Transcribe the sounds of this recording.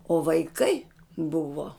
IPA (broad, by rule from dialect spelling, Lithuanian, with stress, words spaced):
oː ʋɐɪˈkɐɪ ˈbʊʋoː